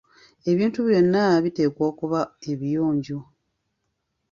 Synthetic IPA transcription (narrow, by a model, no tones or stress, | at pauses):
e̞βiːntuβjo̞nːaβite̞ːkwoːkuβae̞βijoːɲɟo